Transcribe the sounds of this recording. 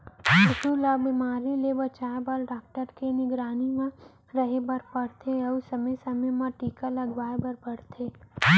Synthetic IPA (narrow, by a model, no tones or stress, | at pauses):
ʊt̪ulabimaːɾilebɐt͡ʃaːbalɖaːk̚ʈəɾkenɪɡɾaːnimã | ɾɐɦebɐɾpɐɽt̪ʰeɔːsɐməjsɐmemãʈiːkalɐɡʋaːebɐɾpɐɽt̪ʰeː